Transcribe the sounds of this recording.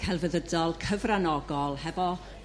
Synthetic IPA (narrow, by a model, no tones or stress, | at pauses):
kʰɛlˠvəðədɔlˠkʰəvranɔɡɔlˠhɛvɔ